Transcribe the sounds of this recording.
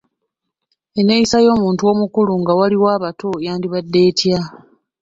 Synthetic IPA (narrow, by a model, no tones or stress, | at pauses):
e̞neisajo̞ːmuːntuo̞ːmukuluŋɡawaliwaːβatojaːndiβadːe̞ːtja